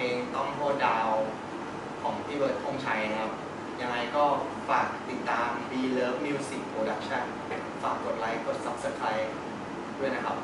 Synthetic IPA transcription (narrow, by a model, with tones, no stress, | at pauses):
ʔeː˧ŋt̪ɔ˥˩ŋt̪ʰoː˥˩t̚daː˧w | kʰɔː˩˦ŋpʰiː˥˩bɤː˨˩t̪̚kʰo˥˩ŋt͡ɕʰa˦˥ja˦˥kʰa˦˥p̚ | ja˧ŋːa˧jkɔː˥˩ | faː˨˩k̚t̪i˨˩t̪ːaː˧mbiː˧lɤː˦˥p̚niː˧wsi˨˩pʰɾoː˧da˦˥k̚t͡ɕʰa˥˩n | faː˨˩k̚ko˨˩t̪̚la˦˥jko˨˩t̪̚sa˦˥p̚sa˧˥t̪ʰa˧j | du˥˩əjna˦˥kʰa˦˥p̚